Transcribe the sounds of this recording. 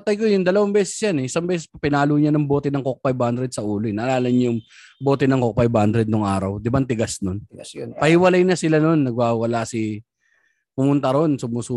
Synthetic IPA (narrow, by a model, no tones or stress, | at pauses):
t̪aːt̪ɐjkojʊŋd̪ɐlɐwɐmbɛːsɛ̥sjanɛɪsɐŋbɛːsɛspɐpɪnaːlʊːɲanɐŋboːt̪ɛnɐŋkok̚pajbhand̪ɾɛd̪̚sɐʔuːloɪnɐʔɐlaːlɐɲjʊŋ | boːt̪ɛnɐŋkok̚pajbhand̪ɾɛd̪̚noŋʔaːɾɐwd̪ɪbant̪ɪɡasnonpɐhɪwɐlajnɐsɪlano̞nːɐɡ̚waːwɐwɐlasɪ | pʊmʊnt̪ɐɾo̞nsʊmusuː